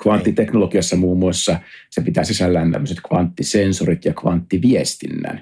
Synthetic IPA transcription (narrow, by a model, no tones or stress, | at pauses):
kʋɑnt̪ːit̪eknolokiosːɑmuːmːˑuɑsːɑsepit̪æ̰ːsisælːæːnt̪æ̰mːøset̪kʋɑnt̪ːisensorit̪jɑkʋɑ̰nt̪ːiʋiest̪inːæ̰ːn